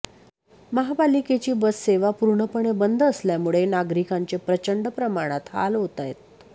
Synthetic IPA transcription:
məɦabaliket͡ɕiːbəsːeʋapuɾɳəpəɳebənd̪ʱəsljamuɭenaɡɾikaɲt͡sepɾət͡ɕəɳɖəpɾəmaɽ̃at̪ha̰lɦot̪ajt̪̚

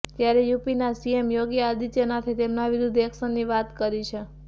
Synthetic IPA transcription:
t̪jaɾejupinasiemjoɡjəad̪it̪jənat̪ʰit̪emnaʋɪɾud̪ʱeksənːiʋat̪kəɾit͡ʃʰe

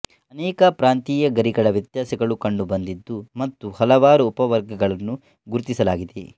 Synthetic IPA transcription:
ɐnɛːkɐpɾaːnt̪iːjɐɡɐɾiɡɐɭɐʋjɐt̪jaːsɛɡɐɭukɐɳɖubɐnd̪id̪ːumɐt̪ːuhɐlɐʋaːɾuːpɐʋɐɾɡɐɡɐɭɐnːu | ɡuɾt̪isɐlaːɡid̪ḛ

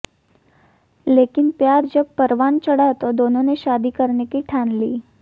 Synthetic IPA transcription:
lekɪnpjaːɾd͡ʒəb̚pəɾʋant͡ʃəɽat̪od̪oːnõneʃad̪ikəɾnekiʈʰanliː

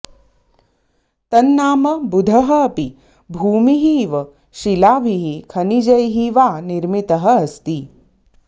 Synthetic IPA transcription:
t̪ɐnːaːmɐbud̪ʱɐɦɐːpi | bʱuːmiɦiʋɐ | ʃilaːbʱiɦikʰɐnid͡ʒɐjɦiʋaːniɾmit̪ɐɦɐːst̪i

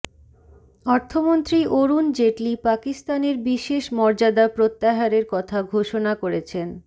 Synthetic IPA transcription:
ɔɾt̪ʰomont̪ɾiʔoɾund͡ʑeʈlipakist̪aneɾbiʃeʃmɔɾd͡ʑad̪apɾot̪ːaɦaɾeɾkɔt̪ʰaɡʱoʃonakoɾet͡ɕʰen

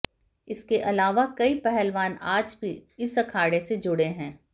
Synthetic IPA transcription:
ɪskeʔɐlaːʋakɐipɛɦɛlʋaːnaːd͡ʒbʱiɪsɐkʰaːɽesed͡ʒʊɽeɦɛ̃ː

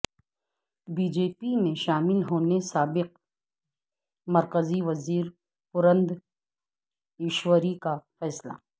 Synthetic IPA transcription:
biːd͡ʒeːpimẽʃaːmɪlɦoːnesaːbɪq̚ | mɐɾkəziʋɐziːɾ | pʊɾə̃nd̪ | ɪːʃwəɾikafɛːsla̰

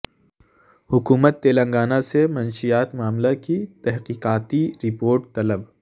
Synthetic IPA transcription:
hʊkuːmət̪ːeːlɐ̃ŋɡaːnasemɐnʃijaːt̪maːmlakit̪ɛɦqiːqaːt̪iɾɪpoːɾʈ̚t̪ɐləb

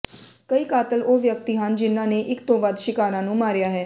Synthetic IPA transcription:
kəiːkaːt̪əloːʋjəkt̪iːɦənd͡ʒɪnãːneːʔɪkt̪õːʋəd̪ʃɪkaːɾãːnũːmaːɾjaːɦɛː

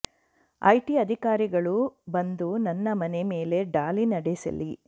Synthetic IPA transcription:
ɐ̰jʈiɐd̪ʱikaːɾiɡɐɭubɐnd̪unɐnːɐmɐneme̞ːle̞ɖaːlinɐɽesɐ̰li

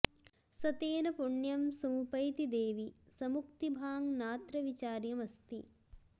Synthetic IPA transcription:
sɐt̪eːnɐpuɳjɐmsɐmupɐjt̪id̪eːʋisɐmukt̪ibʱaːŋnaːt̪ɾɐʋit͡ʃaːɾjɐmɐst̪ḭ

